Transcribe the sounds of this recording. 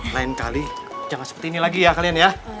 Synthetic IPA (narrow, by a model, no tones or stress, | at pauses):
laɪnkalid͡ʒamansəpərt̪iːnilaɡijakalianja